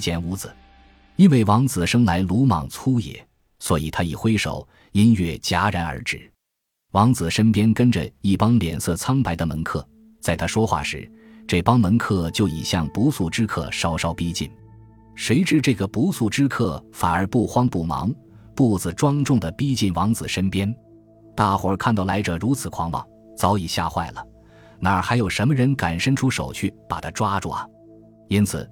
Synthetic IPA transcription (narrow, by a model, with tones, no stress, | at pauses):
t͡ɕjɛ˨˩nu˧˥t͡sɹ̩˩˦ | i˥nwe˥˩ɪwɑ˧˥ŋt͡sɹ̩˨˩ʂɤ˥ŋla˧˥ɪlu˧˥mɑ̰˨˩ŋt͡sʰu˥jɛ̰˨˩˦ | swɔ˧˥i˨˩t̪ʰa˥i˨˩xwe˥ɪʂo˨˩ʊ | i˥nɥɛ˥˩t͡ɕja˥ɻa˧˥nə̰˞˧˥ʈ͡ʂɻ̩˥˩ | wɑ˧˥ŋt͡sɹ̩˨˩ʂə˥npjɛ˥nkə˥nʈ͡ʂə̰˧i˥˩pɑ˥ŋljɛ˨˩nsɤ˥˩t͡sʰɑ˥ŋpa˧˥ɪd̪ə˧mə˧˥nkʰɤ˥˩ | t͡sa˥˩ɪt̪ʰa˥ʂwɔ˥xwa̰˥˩ʂɻ̩˧˥ | ʈ͡ʂɤ˥˩pɑ˥ŋmə˧˥nkʰɤ˥˧t͡ɕjo˥˩ʊḭ˨˩ɕjɑ˥˩ŋpu˧˥su˥˩ʈ͡ʂɻ̩˥kʰɤ̰˥˧ʂɑ˥ʊʂɑ˥ʊpi˥t͡ɕi˥˩n | ʂwe˧˥ɪʈ͡ʂɻ̩˥˧ʈ͡ʂɤ˥˩ɡə˩pu˧˥su˥˩ʈ͡ʂɻ̩˥kʰɤ˥˩fa˨˩nə˞˧˥pu˥˩xwɑ˥ŋpu˥˩mɑ̰˧˥ŋ | pu˥˩t͡sɹ̩˩ʈ͡ʂwɑ˥ŋʈ͡ʂʊ˥˩ŋd̪ə˩pi˥t͡ɕi˥˩nwɑ˧˥ŋt͡sɹ̩˨˩ʂə˥npjɛ˥n | t̪a˥˩xwə˧˥kʰa˥˧nt̪ɑ˥˩ʊla˧˥ɪʈ͡ʂə˨ɻu˧˥t͡sʰɹ̩˨˩kʰwɑ˧˥ŋmɑ̰˧˥˦ŋ | t͡sɑ˧˥ʊi˨˩ɕja̰˥˧xwa̰˥˩ɪlə̰˩ | na˧˩ə˞˧˥xa˧˥ɪjo˨˩ʊʂə˧˥mə˧ɻə˧˥nka˨˩nʂə˥˧nʈ͡ʂʰu˥ʂo˨˩ʊt͡ɕʰy˥˩pa˨˩t̪ʰa˥ʈ͡ʂwa˥ʈ͡ʂṵ˥˩ɐ˨˩ | i˥nt͡sʰɹ̩̰˨˩˦